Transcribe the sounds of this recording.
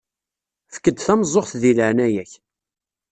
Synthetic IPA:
fə̥kːəd̪θæmzˤːoχθðiləʕnæjæç

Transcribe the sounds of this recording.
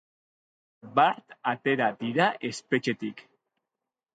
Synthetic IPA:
bat̪at̪e̞ɾad̪iɾaʔe̞spe̞t͡ʃe̞t̪ik

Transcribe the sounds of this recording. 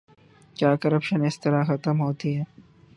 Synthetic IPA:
kjaːkɐɾəpʃənɪst̪ɐɾaxɐt̪əmɦoːt̪iɦɛː

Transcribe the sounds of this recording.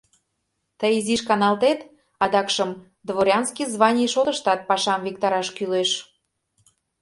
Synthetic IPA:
t̪əjiziʃkɑnɑlt̪et̪ | ɑd̪ɑkʃəm | d̪βoɾʲɑnskʲizβɑnʲijʃot̪ə̆ʃt̪ɑt̪̚pɑʃɑmvikt̪ɑɾɑʃkyleʃ

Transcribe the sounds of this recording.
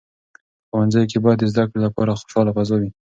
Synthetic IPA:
xowanzajk̬ebɑjd̪ezd̪akɽelapɑɾaxo̥ʃɑlafazɑwi

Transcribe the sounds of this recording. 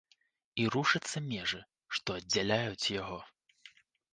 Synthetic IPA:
iɾuʂɨt̪sːɐmʲɛʐɨ | ʂt̪ɔɐdʲd͡zʲːalʲajut͡sʲjaɣɔ

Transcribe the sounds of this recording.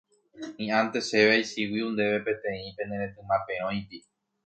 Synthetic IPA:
ĩãnt̪eʃeʋeajsiwiũnd̪eʋepẽ̞t̪ẽĩpe̞neɾẽt̪ɨmãpẽõj̃t̪i

